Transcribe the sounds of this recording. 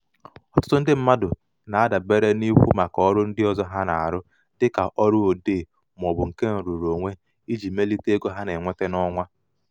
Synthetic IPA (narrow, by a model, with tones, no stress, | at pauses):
ɔ˦tʊ̥˦tʊ˦n̩˦dɪ˦m̩˦ma˦dʊ˨ | na˨a˦da˨be˦ɾe˦ni˦kʷṵ˦ma˨kɔ˦ɾʊ˦n̩˦dɪ˦ɔ˦˨zɔ˦ɦa˦na̰˨a̰˨ɾʊ˦ | dɪ˦ka˨ʔɔ˦ɾʊ˦o˨deː˦˨ | m˨ɔ˨bʊ˨ŋ̩˨ke˦n̩˨ɾu˨ɾo˨ŋʷe˦ | i˦d͡ʒi˨me˦li˦te˦ɡo˦ɦa˦ne˨ŋʷe˦te˦nɔ˦ŋʷa˦